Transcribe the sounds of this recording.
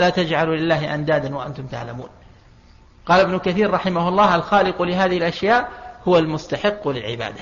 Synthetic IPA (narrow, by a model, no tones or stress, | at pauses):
laːt̪ad͡ʒʕalulɪlːaːɦɪʔand̪aːd̪anwaʔa̰nt̪ʊmt̪a̰ʕlamṵːn | qɑːlabnʊkaθiːɾɾˤɑħɪmahʊɑlˤːɑːhʔalxaːlɪqʊlɪɦaːðɪhɪlʔaʃjaːʔhʊwalmʊst̪aħɪqːlɪlʕɪ̰ba̰ːd̪a